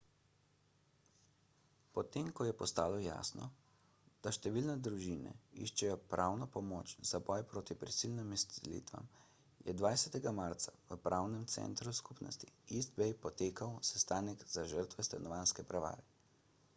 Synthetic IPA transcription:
pɔt̪emkɔjɛpɔst̪aːlɔja̰ːsnɔ̰ | d̪̥aʃt̪ɛʋilnɛd̪ɾuʒinɛ̰ḭʃt͡ʃɛjɔpɾʔawnɔpɔmoːt͡ʃz̥abɔjpɾoːt̪ipɾisilnimist̪ɛlḭt̪ʋa̰m | jɛ̰d̪ʋajsɛt̪ɛɡamaɾt̪saʋəpɾʔaːwnɛmt̪sɛ̰nt̪ɾuskupnɔ̰st̪iisd̪bɛjpɔt̪eːkawsɛst̪aːnɛkz̥aʒəɾt̪ʋɛst̪anɔʋanskɛpɾaʋa̰ːɾɛ

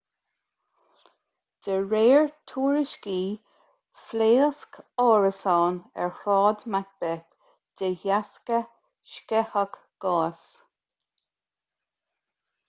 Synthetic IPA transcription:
d̪̥əɹeːɹt̪ʰuːɹɪʃkiː | fleːskɔːɹəsɑːnɛ̰ɹhɹɑːd̪mat̚b̥ɛt̪ | d̪̥əjaskə | ʃkɛhək | ɡ̥ɑːs

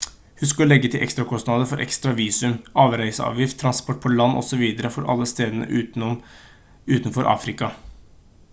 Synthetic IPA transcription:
hʉsklɛɡːət̪ʰɪlʔɛ̰kst̪ɾɑkʰɔst̪nɑd̪əfɔɾʔɛ̰kst̪ɾɑʋiːsʉmɑːʋɾæɪsəɑ̰ːʋjɪft̪ʰːɾɑnspɔʈ̚ːpʰɔlɑnːʔɔ̰sɔʋiːd̪əɾəfɔɾʔɑ̰lːəst̪eːd̪ənə̰ʔʉ | ʉːt̪nfɔɾʔɑ̰ːfɾɪkɑ

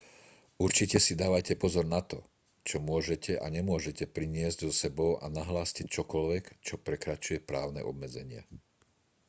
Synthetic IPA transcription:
uɾt͡ʃicɛsid̪aːʋajcɛpɔzɔɾnat̪ɔ | t͡ʃɔmʊɔʒɛcʰɛʔa̰ɲɛmʊɔʒɛcɛpɾiɲɪɛzɟzɔsɛbɔʊʔa̰naɦlaːscict͡ʃɔkɔlʋɛkt͡ʃɔpɾɛkɾat͡ʃujɛpɾaːʊnɛ̰ʔɔbmɛd͡zɛɲɪa̰

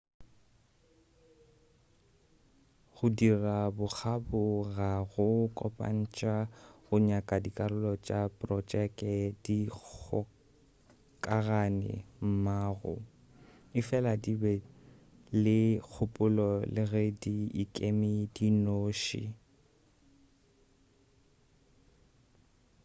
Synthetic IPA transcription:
ɣʊdirabʊk͡xʰabʊɣaɣʊkʼɔpʼa̰n̩t͡ʃʼaɣʊɲakʼadikʼarʊlɔt͡ʃʼapʼrɔt͡ʃɛkʼɛdik͡xɔ | kʼaɣanɛ̰m̩maːɣʊ̰ | ɪfɛladibɛ | lɪk͡xʰʊpʼʊlɔlɪɣɛdiːkʼemidinoːʃḭ

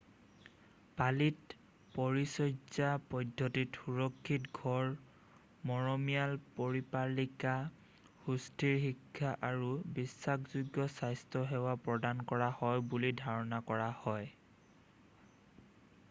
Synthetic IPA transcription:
palit | pɔɹisɔjzapɔdʱːɔtitxuɹɔkʰːitɡʱɔɹ | mɔɹɔmijalpɔɹipalika | hustʰiɹxikʰːaʔaɹubisːakzuɡjɔsajstʰɔɦɛwapɹɔdankɔɹahɔjbulidʱaɹɔnakɔɹahɔj

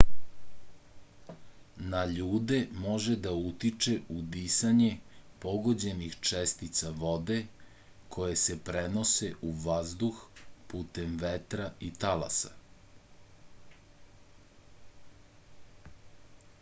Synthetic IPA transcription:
naʎuːd̪emo̞ʒed̪aut̪it͡ʃeud̪isaɲe̞po̞ɡo̞d͡ʑe̞nixt͡ʃest̪it̪saʋo̞d̪e̞ | kʰo̞je̞sepɾenose̞ʔuʋazd̪uxpuːt̪e̞mʋet̪ɾait̪ala̰sa̰

